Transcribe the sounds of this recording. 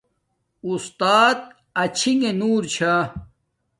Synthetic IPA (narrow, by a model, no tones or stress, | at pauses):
ust̪aːt̪̚ | ɐt͡ɕʰiŋenuːɾt͡ɕʰa